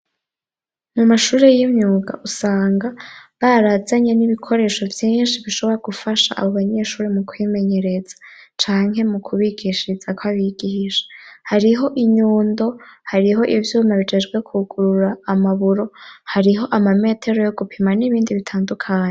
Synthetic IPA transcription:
mumaʃuːɾe̞jimɲuːɡa̰ʔusaːŋɡaβaɾazaɲeniβikʰo̞ɾe̞ʃo̞vjiːnʃiβiʃo̞βo̞ɾaɡ̥ufaʃa̰ʔa̰βo̞βaɲe̞ʃuːɾemukwime̞ɲe̞ɾe̞z̥ḁt͡ʃaːŋhe̞mukʰuβiɡiʃiz̥akwaβiɡihiʃḁhaɾiɦo̞ʔiɲuːndo̞haɾiɦo̞ʔivjuːmaβid͡ʒe̞d͡ʒɡwe̞kʰuɡuɾuɾaːmaβuɾo̞haɾiɦo̞ʔamame̞ːtʰe̞ɾo̞jo̞ɡupʰimaniβiːndiβitʰaːndukʰaːɲe

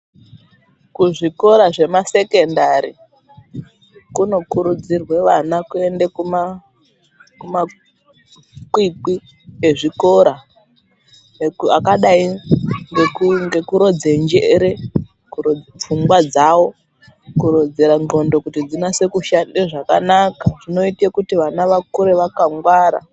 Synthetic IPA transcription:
kuʐiko̞ɾaʐe̞mase̞kendaɾi | kuno̞kuɾud͡zirwe̞ʋanakue̞ndekuma | kuma | kwiki | eʐiko̞ɾa | ekuakaɗaiŋɡekuŋɡekuɾo̞d͡ze̞nd͡ʒeɾe | kup͡fuŋɡwad͡zawo̞ | kuɾod͡zeɾaŋo̞ndo̞kutid͡zinase̞kuʃandeʐakanakaʐ̥ino̞itekutiʋanaʋakuɾe̞ʋakaŋɡwaːɾa̰

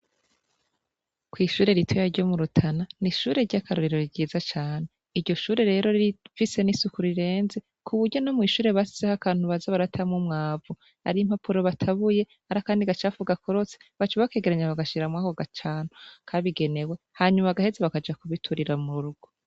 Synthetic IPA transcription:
kwiːʃuːɾe̞ɾitʰojaɾɟo̞muɾutʰananiʃuːɾe̞ɾɟakʰaɾoɾiɾo̞ɾiɟiːzat͡ʃaːne̞ | iɾɟo̞ʃuːɾe̞ɾe̞ːɾo̞iifise̞nisukuɾiɾe̞ːnze̞ | kʰuβuɾɟo̞no̞mŋiːʃuːɾe̞βasi̥zehakaːn̥huβazaβaɾatʰamŋumŋaːvu | ha̰ɾim̥hapʰuɾoβatʰaβuje̞ | haɾakaːndiɡat͡ʃafuɡakoɾo̞t͡se̥βat͡ʃuβake̞ːɡeɾaɲaβaɡaʃiɾamŋaːkoɡat͡ʃaːnukʰaβiɡe̞ne̞we̞haːɲumaɡahezeβakad͡ʒakuβitʰuɾiɾamuɾuɾuɡo

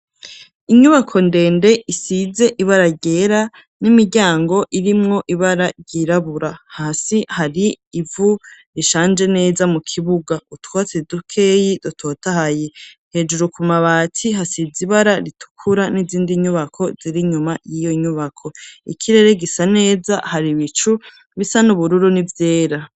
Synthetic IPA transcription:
iɲuβakʰo̞nde̞ːnde̞isize̞ʔiβaɾaɟe̞ɾa | nimiɾɟaːŋɡo̞ʔiɾimŋo̞ʔiβaɾaɾɟiɾaβuɾahaːsihaɾiː | vu | ɾiʃaːnd͡ʒe̞ne̞ːzamukʰiβuɡautwat͡sedukʰe̞jidotʰo̞tahaje | he̞d͡ʒuɾukumaβaːtʰiɦasiziβaɾaɾitʰu̥kʰuɾaniziːndiɲuβakʰo̞ziɾiɲumajijo̞ɲuβakʰo̞ḭkʰiɾe̞ɾe̞ɡisane̞ːzahaɾiβit͡ʃu | βisanuβuɾuɾunivje̞ːɾa

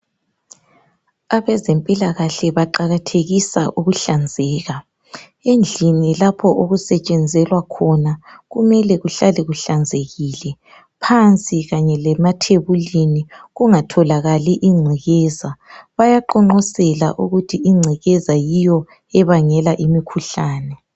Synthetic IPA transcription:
aβɛzempʼilaɣaɬɛβaǃaɣatʰeɣisa̰ʔuɣuɬand͡zʱɛːɣa | end͡ɮʱinilapʰɔʔoɣusɛt͡ʃʼɛnd͡zʱɛlwakʰɔnaɣumɛlɛɣuɬalɛɣuɬand͡zʱeɣiːlɛ | pʰant͡sʼiɣaɲɛlɛmatʰeβuliniɣuŋatʰɔlaɣaliʔiŋ͡ǀʱiɣɛːzaβajaǃɔŋ͡ǃɔsɛla̰ʔuɣutʰiiŋ͡ǀʱiɣɛzajijɔ | ɛβaŋɛlaʔimikʰuɬaːnɛ

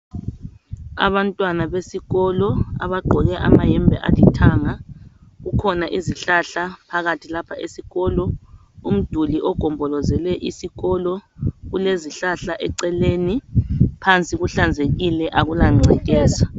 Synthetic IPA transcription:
a̰βantʼwanaβesiɣɔlɔa̰βaɡ͡ǃʱɔɣɛʔamajɛmbʱɛ̰ʔalitʰaːŋaɣukʰɔnaʔiziɬaɬapʰaɣatʰilapʰaʔḛsiɣɔːlɔ | um̩d̥ʱuliʔɔɡ̥ʱɔmbʱɔlɔzɛlɛʔisiɣɔlɔɣuleziɬaɬaʔɛǀɛlenipʰant͡sʼiɣuɬand͡zʱeɣilɛʔaɣulaŋ͡ǀʱɛk̬ʼɛːsa

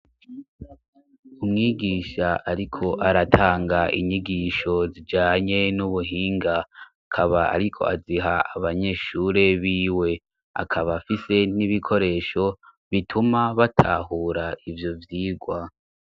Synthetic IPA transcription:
umŋiːɡiːʃaʔaɾikʰo̞ʔaɾatʰaːŋɡaʔḭɲiɡiːʃo̞zid͡ʒaːɲe̞nuβuɦiːŋɡaakʰaβaa̰ɾikʰo̞̰a̰ziɦaaβaɲe̞ʃuːɾe̞βiːwe̞ | a̰kʰaβafise̞niβikʰo̞ɾe̞ːʃo̞ | βitʰumaβatʰa̰ːɦuːɾaʔivjo̞vjiːɡwa

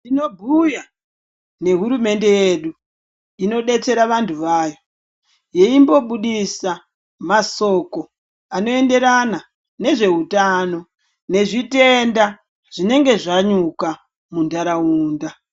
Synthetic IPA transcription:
tino̞bʱuja | ne̞ɦuɾume̞nde̞je̞ːɗu | ino̞ɗe̞t͡se̞ɾaʋantʰuʋaːjo̞ | je̞imbo̞ɓuɗisa | maso̞ːko̞ | ano̞e̞nde̞ɾana | ne̞ʐe̞ɦutaːno̞ | ne̞ʐite̞nda | ʐ̥ine̞ŋɡe̞ʐaɲuka | mundaɾauːnda

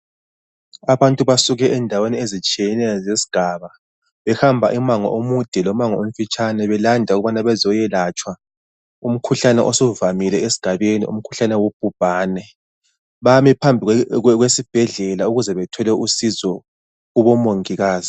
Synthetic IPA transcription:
aβantʼuβasuɣɛʔɛndʱaweniezit͡ʃʼiɛnɛzesi̥ɡ̥ʱaːβa | βɛxambʱaʔimaŋɔ̰ʔomud̥ʱɛlɔmaŋɔom̩fit͡ʃʼʰanɛβɛlandʱauɣuβanaβɛzɔjɛlat͡ʃʼwa | um̩kʰuɬanɛʔosɔvamilɛʔesi̥ɡ̥ʱaβenḭṵm̩kʰu̥ɬanɛwob̥̚ʱub̥ʱaːnɛ | βamipʰambʱiɣwesib̥ʱɛɮɛlauɣuzɛβɛtʰɔlɛʔusizɔ | uβɔmoŋiɣaːzi

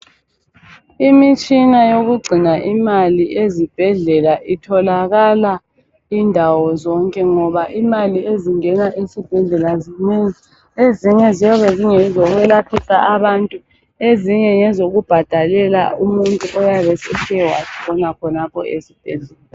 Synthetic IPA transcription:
imit͡ʃʼinajoɣuɡ͡ǀʱinaʔimaliezib̥ʱɛɮɛlaʔitʰɔlaɣala | indʱawɔzɔŋkʼɛŋɔβaʔimalieziŋɛnaʔisib̥ʱɛɮɛlazineŋi | eziɲɛziaβɛziŋɛzɔɣwɛlapʰisa̰ʔaβantʼu | eziɲɛŋɛzoɣub̥ʱad̥ʱalɛla̰umuntʼuʔɔjaβɛsɛʃʰɛwaziβɔnakʰɔnapʰɔ̰esib̥ʱɛɮɛːla

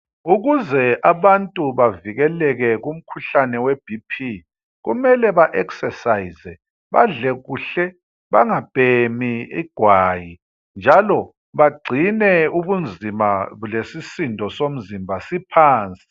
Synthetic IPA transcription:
uɣuzɛʔaβantʼuβaviɣɛlɛɣɛɣum̩kʰuɬanɛweb̥ʱipʰi | ɣṵmɛlɛβaʔɛksɛsaizɛ | βa̰ɮɛɣuɬɛ | βaŋab̥ʱʼemiḭɡ̥ʱwaːji | nd͡ʒʱalɔ | βaɡ͡ǀʱinɛuβund͡zʱimalesisindʱɔsom̩zimbʱasipʰaːnt͡sʼi̥i

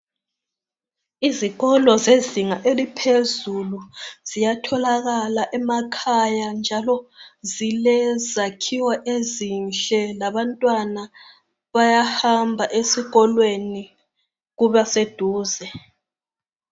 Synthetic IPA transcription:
iziɣɔlɔzeziŋaʔelipʰezuluz̥ijatʰɔlaɣalaʔɛmakʰajand͡ʒʱalɔzilɛzakʰiwaʔezinɬɛlaβantʼwana | βajahambʱaʔesiɣɔlweni | ɣuβased̥ʱuːzɛ

